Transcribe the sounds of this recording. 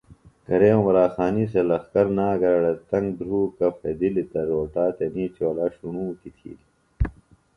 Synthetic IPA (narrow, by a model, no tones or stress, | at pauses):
kɐɾẽːmɐɾaːxaːniselɐxkɐɾnaːɡɐɾɐɽɐt̪ɐŋɡ̚d̪ɾuːkɐfʰed̪ilit̪ɐɾoːʈaːt̪eniːt͡ɕoːlaːɕunuːkit̪ʰḭːli